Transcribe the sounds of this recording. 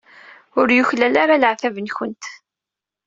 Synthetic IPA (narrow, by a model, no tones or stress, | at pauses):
ʊɾjʊçlælaɾaləʕθævənçənt̪